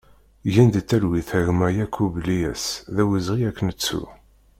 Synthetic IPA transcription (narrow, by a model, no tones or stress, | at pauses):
ʝænd̪ət̪ːælwiθəɾmæjækʰːublijæ̰sðæwizʁiækːənət͡sːṵ